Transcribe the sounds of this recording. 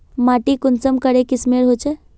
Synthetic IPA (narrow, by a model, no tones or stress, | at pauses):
maʈikʊnsəmkəɽekismeɽɦot͡ʃʰɛ